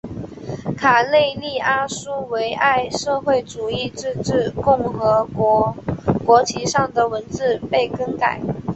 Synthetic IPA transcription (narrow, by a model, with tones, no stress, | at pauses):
kʰa˨˩le˥˧ɪli˥˩a˥su˥we˧˥ɪʔa˥˧ɪʂɤ˥˧xwe˥˩ɪʈ͡ʂu˨˩i˥˧ʈ͡ʂɻ̩˥˧ʈ͡ʂɻ̩˥˩kʊ˥˩ŋxɤ˧˥ | kwɔ˧˥t͡ɕʰi˧˥ʂɑ˥˩ŋd̪ə˩wə˧˥nt͡sɹ̩˥˧pe˥˩ɪkə˥ŋka˨˩˦ɪ